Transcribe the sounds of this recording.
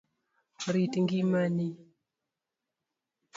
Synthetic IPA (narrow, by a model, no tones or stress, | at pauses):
ɾitiŋɡimani